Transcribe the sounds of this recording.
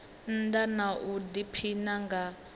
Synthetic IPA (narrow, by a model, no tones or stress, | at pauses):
n̩danaʔudipʰinaŋɡa